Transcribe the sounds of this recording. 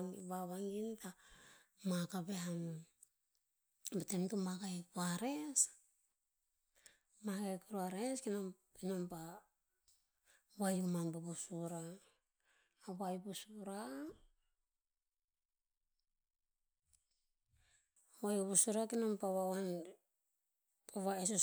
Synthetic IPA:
ŋḭβaβaŋɡinta | makabe̞hano | batemtumakajkuaɾe̞s | makajkuɾuaɾeskino | kinompa | wajumanpabusuɾa | wajbusuɾa | wajabusuɾakinompawaan | oβaeso

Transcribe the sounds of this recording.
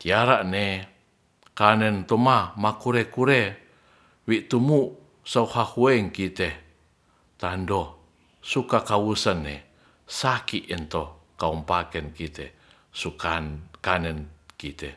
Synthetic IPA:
t̪iaɾaʔne | kanɛnt̪omamakuɾekuɾe | wiʔt̪umu | sauhahueiŋkit̪e | t̪ando | sukakawusənːḛ | sakiʔint̪okaumpakɛnkit̪e | sukakanɛnkit̪e

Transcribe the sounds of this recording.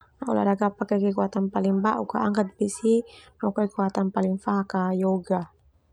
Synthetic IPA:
naɔ̰la̰ɾaɡapakakɛkuat̪anpaliŋbaʔṵkaaŋkat̪̚bisinɔkɔikuat̪anpaliŋfaɦakajɔɡa

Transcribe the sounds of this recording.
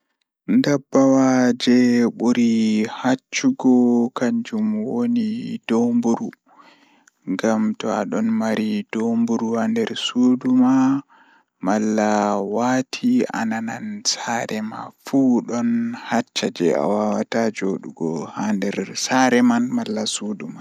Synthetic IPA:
ndabːawad͡ʒɛɓuɾihat͡ʃːuɡɔkaɲd͡ʒumwonidombuɾu | ŋɡamtɔa̰ɗɔnmaɾid̥ombuɾuhandɛɾsuduma | malːawatʰia̰nanansaɾɛma̰fuɗɔnhat͡ʃːad͡ʒɛa̰wawatad͡ʒoɗuɡɔ̰handɛɾsaɾɛmanmalːasuduma

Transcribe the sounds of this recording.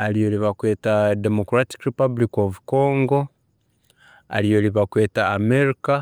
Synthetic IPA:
alijo̞liβakwe̞ːtademokɾati̥kɾepabulikovuko̞ːŋɡo̞ | a̰lijo̞liβakwe̞ːtaːmeɾika

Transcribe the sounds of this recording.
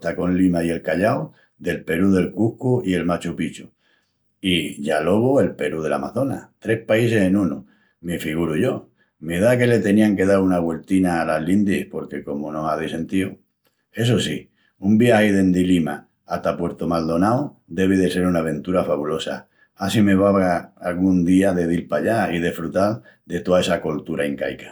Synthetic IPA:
t̪ako̞nlimaje̞lkaʎaw | d̪e̞lpe̞ɾuðe̞lkuhkuie̞lmat͡ʃupit͡ʃu | iʝalo̞βoe̞lpe̞ɾuð̞e̞la̰maθo̞na̰t̪ɾe̞hpaise̞se̞nũnu | mifiɣ̞uɾuʝo̞ | meðake̞le̞t̪e̞niaŋke̞ðaunaɣwe̞lt̪inaːlaɦlind̪ihpo̞ɾke̞ko̞monõaðise̞nt̪io | e̞s̬osi | umbiajðe̞nd̪ilimaː | t̪apwe̞ɾt̪omald̪o̞naw | d̪e̞β̞iðe̞se̞ɾunaβ̞ẽ̞nt̪uɾafaβulo̞sa̰ | asime̞βaβaalɣund̪iaðe̞ðilpaʎaið̞e̞fɾut̪al | d̪e̞t̪oae̞sakolt̪uɾaiŋka̰jkḁ

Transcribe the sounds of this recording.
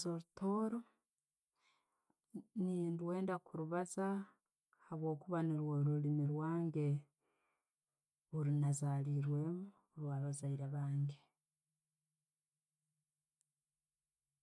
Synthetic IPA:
zoɾutʰo̞ːɾo | nindwe̞ːndakuɾuβaza | haβwo̞ːkuβaniɾwoɾulimiɾwaːŋɡe̞ | βuɾinazaːliːɾwe̞ːmu | ɾwaːβazaiɾaβaːŋɡe

